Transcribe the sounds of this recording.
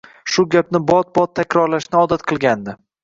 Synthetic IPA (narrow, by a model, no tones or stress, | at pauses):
ʃʊɡʲap̚nɪbɒt̪̚bɒt̪ʰːakʲɾɒɾlaʃnɪɒd̪at̪qʰɨlˠɡʲand̪ɪ